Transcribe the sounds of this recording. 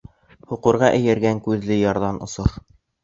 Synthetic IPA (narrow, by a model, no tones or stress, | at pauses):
hŭqŭɾʁɑʔɘ̆jæɾɡæŋkʉðlɘjɑɾðɑnʔŏ̰soɾ